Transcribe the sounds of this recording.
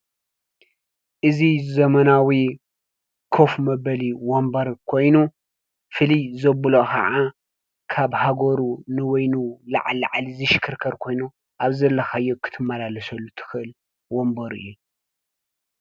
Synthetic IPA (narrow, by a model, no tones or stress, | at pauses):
ʔɨzizɐmɐnawi | kʰo̞fmɐbɐliwombɐɾkʰo̞jnu | fɨlijzɐbɨlokʰɐ̰ʕa | kʰaβhaɡoɾunɨwojnula̰ʕala̰ʕalizɨʃɨ̥kʰɨɾkʰɐɾkʰo̞jnu | ʔaβzɐlːɐxajːokʰɨ̥t̪ʰɨmːalalɐsɐlːut̪ʰɨ̥xɨʔɨl | wombɐɾɨ̰jːu